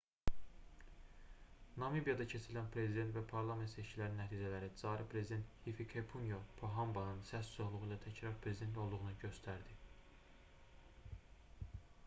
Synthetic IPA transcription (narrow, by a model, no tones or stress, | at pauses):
nɑmibijɑd̪ɑcʰe̞t͡ʃʰilænpʰɾe̞zid̪e̞nt̪væpʰɑɾlˠɑme̞nt̪se̞ʃcʰilæɾinːæt̪ʰiːd͡ʒælæɾid͡zɑːɾipʰɾe̞zid̪e̞nt̪hifikʰepʰunjopʰoɦɑmbɑnɯnsæszohlˠuʁuilæt̪ʰæcʰɾɑɾpʰɾe̞zid̪e̞nt̪o̞lˠd̪uʁunuɟø̞st̪ʰæɾd̪i